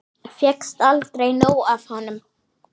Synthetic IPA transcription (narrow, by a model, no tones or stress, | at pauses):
fjɛkst̪alt̪ɾejnoːwavhanːʏm